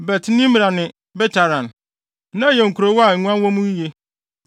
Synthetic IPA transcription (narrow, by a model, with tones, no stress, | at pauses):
bɛ˨tʰɪ˦nĩ˦m˨a˨nɪ̃˨ | bɛ˦t͡ɕʰa˨ɾã˨n | nã˦jɛ˨ŋ̩˨kʰu˨ɾo˨wɔ˦a˨ŋ̩˨˦ɲʷ˦ã˦nwɔ̃˦mũ˦i˦je˦